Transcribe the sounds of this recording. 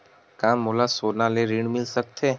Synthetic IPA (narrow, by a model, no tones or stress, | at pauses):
kãːmolasoːnaleɾiɽmɪlsək̚t̪ʰeː